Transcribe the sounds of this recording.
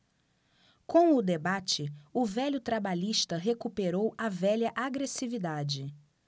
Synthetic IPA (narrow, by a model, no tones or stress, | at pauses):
kõw̃ʊd̪ebat͡ʃɪʊvɛʎʊt̪ɾabaʎiʃt̪ɐɦekupeɾowɐvɛʎɐʔaɡɾesivid̪ad͡ʒɪ